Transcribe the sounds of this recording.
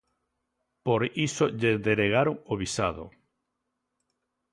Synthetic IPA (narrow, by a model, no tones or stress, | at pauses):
poɾisoʎeðeɾeɣaɾoŋoβisaðo̰